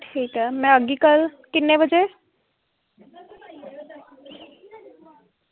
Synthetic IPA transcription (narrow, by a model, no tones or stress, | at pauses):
ʈʰiːkɛmɛ̃əɡikəlkɪnːebəd͡ʒe